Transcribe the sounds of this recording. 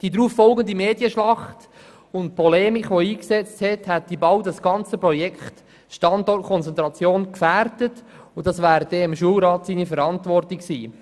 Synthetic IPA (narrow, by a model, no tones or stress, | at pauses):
d̥idɾuːfːɔlɡənd̪imeːdiəʃlɑχt | ʊnt̚pʰɔlɛːmikʋoiːksɛt͡sthɛthæt̚d̪̥ibɑldɑsɡ̥ɑnt͡səpɾɔjɛkχt | ʃtɑndɔrtkʰɔnt͡sɛntɾɑt͡sjoːnkfæɾdət | ʊdɑsʋæːɾd̥ɛɪmʃuəlɾɑːtsiːnifəɾɑntʋɔrtɪksiː